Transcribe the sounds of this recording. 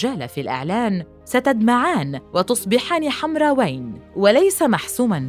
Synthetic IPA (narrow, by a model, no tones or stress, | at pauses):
ʒaːlafilʔɪ̰ʕlaːn | sat̪ad̪maʕaːnwɑt̪ʊsˤbɪħaːniħamɾˤɑːwajnwalajsamaħsuːman